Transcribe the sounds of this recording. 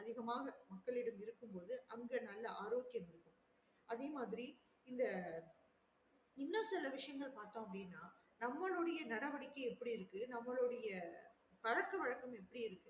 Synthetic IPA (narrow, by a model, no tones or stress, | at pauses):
ɐðɪɣɐmaːɣɐmɐkːɐɭɪɽɐmɪɾɯkːɯmpoːðɯʔɐŋɡɐnɐlːɐaːɾoːkɪjɐmɪɾɯkːɯm | ʔɐðeːmaːðɪɾi | ɪnd̪ɐ | ɪnːɐsɪlɐʋɪʂɐjɐŋɡɐɭpaːɾt̪õːɐpːɐɽinːaː | nɐmːɐɭɯɽɐjɐnɐɽɐʋɐɽɪkːɐɛpːɐɽiɪɾɯkːɯnɐmːɐɭɔɽɐjɐ | kɐɻɐkːɐʋɐɻɐkːɐmɛpːɐɽiɪɾɯkːɯ